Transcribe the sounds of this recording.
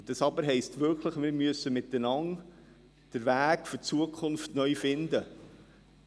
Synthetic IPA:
d̥ɑsɑbəɾɦɛɪstʋʏɾkʰləχmɪɾmyəsːəmɪt̪ːənɑŋ | d̥əɾʋæːkfʏt͡suəkʰχʊnftnœʏfɪndə

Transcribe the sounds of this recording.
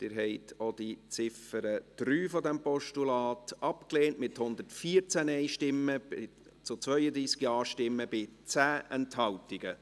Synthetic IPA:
d̪̥ɪːɾɦɛɪtʰod̥it͡sɪfəɾəd̪̥ɾyːfɔdɛmpɔʃtulɑːtɑpkleːnʔmɪthʊnd̪ətfiːɾt͡sænɛɪʃtɪmːəɪ | t͡sʊt͡sʋœʏəd̪ɾiːsɡ̥iɑːʃtɪmːəb̥ɪt͡sæːʔɛnthɑwtɪɡ̥ə

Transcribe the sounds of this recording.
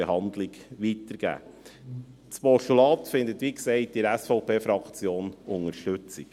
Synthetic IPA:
ehɑnd̪lɪɡʋit̪əɾɡ̥æ̰ː | t͡spɔʃtulɑːt̪fɪnd̪ət̪ʋiksɛɪtiɾæsfɔʊpʰeːfɾɑkt͡sjoːnʊŋəɾʃtɵt͡sik

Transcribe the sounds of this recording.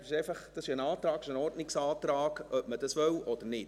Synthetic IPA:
sɪʃeɪfɑχd̥ɑsiənɑːt̪ɾɑːɡɪʃənɔrtnɪksɑːt̪ɾɑːkœp̚məd̥ɑsʋœwʔɔd̥ənɪt

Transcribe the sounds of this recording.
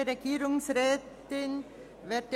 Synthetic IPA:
ɾekiːɾʊŋsɾeːt̪ɪn | ʋeʈ

